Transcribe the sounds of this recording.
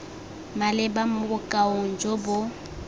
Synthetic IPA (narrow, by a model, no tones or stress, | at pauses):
malɪbamʊʊkʼaoŋ̩d͡ʒobʊ